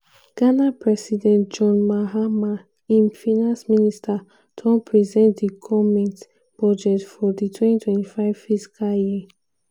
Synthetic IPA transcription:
ɡ̥anapʰɹɛsidɛ̃ntd͡ʒɔ̃nmaɦama | ĩnfinãnsministʰa | tʰɔ̃npʰɹizɛ̃ntdikʰɔmɛ̃nt | b̥ɔd͡ʒɛtfɔditʰwɛ̃titʰwɛ̃ntifaɪv̥fisi̥kʰalji

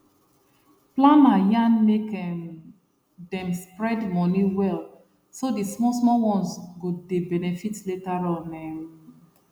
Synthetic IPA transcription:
plãnajãnmekɛm | dɛ̃mspɹɛdmɔniwɛl | sodismɔsmɔwɔ̃nsɡodebɛnɛfitletaɹɔnɛ̃m

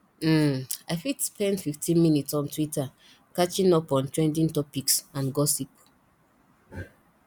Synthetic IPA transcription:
m̩aɪfidspɛ̃ndfiftĩnminitsɔ̃ntwita | kat͡ʃĩnɔpɔ̃ntɹɛ̃ndĩntɔpiksãnɡɔsip

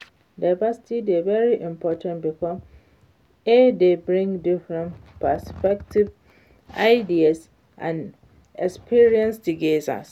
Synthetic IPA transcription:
daɪvasi̥tʰidevɛɹiʔĩmpʰɔtʰãntbikʰɔ | edebɹĩŋdifɹɛ̃npʰaspɛk̚tʰiv | aɪdias | ʔã̰n | ɛkspʰiɹiɛ̃nsdiɡeza̰s

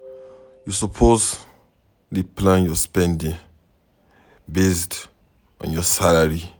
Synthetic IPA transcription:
jusɔpʰos | liplãnjɔspɛ̃ndĩŋ | best | ɔ̰̃njɔsalaɹi

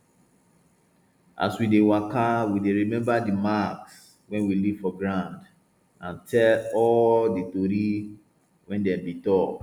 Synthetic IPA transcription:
ʔa̰swidewakawideɹimɛ̃mbadimaks | wɛ̃nwiliv̥fɔɡɹãnd | ãntʰɛlɔllditoɾi | wɛ̃ndɛ̃mbitɔ

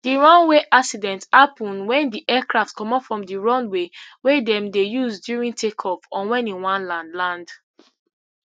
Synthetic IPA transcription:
d̥iɹɔ̃nweʔaksidɛ̃nthapɔ̃nwɛ̃ndiʔɛkɹaftkɔ̃mɔpfɹɔ̃mdiɹɔ̃nwewedɛ̃mdejuzdjuɹĩntʰekʰɔfɔ̃nwɛ̃nĩnwãnlãndlãnd

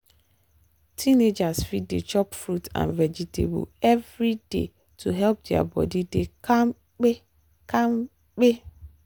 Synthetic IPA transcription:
tʰined͡ʒasfidḛt͡ʃʰɔpfɾutʰã̰nvɛd͡ʒitʰḛbə̰ɛvɾidḛ | tʰuɦɛlp̚dea̰bɔ̰didekʰãm | k͡pe | kʰãm | k͡pe

